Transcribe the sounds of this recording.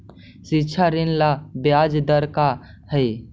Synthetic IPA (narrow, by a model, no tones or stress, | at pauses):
sitːt͡ʃʰaɾinlabjad͡ʒd̪əɾka | həj